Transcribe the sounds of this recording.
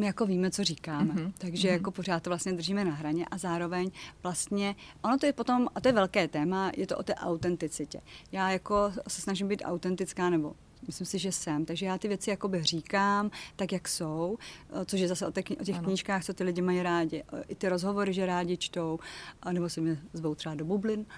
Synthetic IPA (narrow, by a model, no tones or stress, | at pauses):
mɪjako̞viːmɛt͡so̞riːkaːmɛt̪aɡʒɛjako̞por̝aːt̪t̪ːovlast̪ɲɛd̪r̩ʒiːmɛnaɦɾaɲɛʔazaːɾo̞vɛɲvlast̪ɲɛʔo̞not̪ojɛpot̪o̞mat̪ojɛvɛlkɛːt̪ɛːmajɛt̪oʔot̪ɛːʔa̰wt̪ɛnt̪ɪt͡sɪcɛ̰jaːjako̞sɛsnaʒɪmbiːt̪ʔa̰wt̪ɛnt̪ɪt͡skaːnɛbo̞ | mɪslɪmsɪʒɛsɛmt̪aɡʒɛjaːt̪ɪvjɛt͡sɪjako̞bɪr̝iːkaːmt̪akjaksowt͡soʃ̬jɛzasɛʔot̪ɛkʔocɛxkɲiːʃkaːxt͡sot̪ɪlɪɟɪmajiɾaːɟɪʔɪt̪ɪɾo̞zɦo̞vo̞ɾɪʒɛɾaːɟɪt͡ʃt̪o̞wnɛbosɛmɲɛzvo̞wt̪r̥ɛbado̞bublɪn